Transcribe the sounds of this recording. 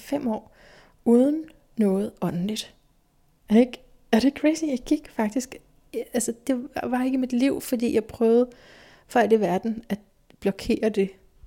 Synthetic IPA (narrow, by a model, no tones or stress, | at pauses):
fem̰ɒ̰ː | uːðˠn̩ː | ɔ̽ːð̞̩ˠɒ̽nən̩lid̥ | eɡ̥ | æɾ̥ekʰʁeɪsijɑ̈ɪɡ̥iɡ̥fɑ̈ɡ̥̚d̥isɡ̥ | ælsəd̥e̝ʋɑ̈e̝ɡ̥əmid̥liʊ̰fɒd̥ḭːjɑ̈ɪpʰʁœːʊð̞̩ˠ | fɒ̽æl̥iʋæɐd̥n̩æ̥ | b̥lɒ̽kʰe̝̰ːɐd̥e̝